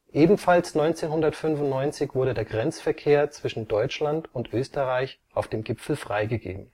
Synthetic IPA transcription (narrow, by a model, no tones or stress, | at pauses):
ʔeːbm̩falsnɔʏnt͡seːnhʊndɐtfʏnvʊntnɔʏnt͡sɪçv̥ʊɐɾədeːɐɡʁɛnt͡sfɛɐkʰeːɐt͡sv̥ɪʃn̩dɔʏt͡ʃlantʊntʔøːstəʁaɪçʔaʊfd̥eːmɡɪpfl̩fʁ̥aɪɡəɡḛːbm̩